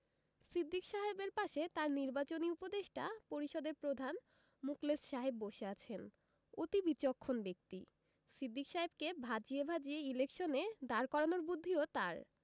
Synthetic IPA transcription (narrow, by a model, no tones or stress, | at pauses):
sid̪ːikʃaɦebeɾpaʃet̪aɾniɾbat͡ɕoniupod̪eʃʈapoɾiʃɔd̪eɾpɾod̪ʱan | muklesʃaɦebːoʃeat͡ɕʰen | ot̪ibit͡ɕokʰːonbek̚t̪i | sid̪ːikʃaɦebkebʱad͡ʑiebʱad͡ʑieilekʃoned̪aɾkɔɾanoɾbud̪ʱːiot̪aɾ